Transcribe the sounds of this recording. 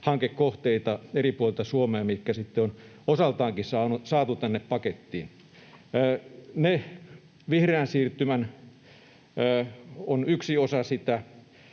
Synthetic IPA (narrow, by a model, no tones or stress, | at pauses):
hɑŋkekkoht̪eit̪ɑeripuolelt̪ɑsuomeɑmit̪kæsit̪ːeon | osɑlt̪ɑːŋkisɑːnusɑːt̪ut̪ænːeppɑket̪ːḭːnː | ne | ʋihreænsiːrt̪ymæn | onyksiosɑsit̪æ